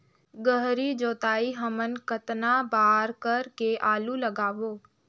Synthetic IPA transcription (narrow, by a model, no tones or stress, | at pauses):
ɡəɦɾid͡ʒoːt̪aːiɦəmənkət̪nabaːɾkəɾkeʔaːluləɡaːʋoː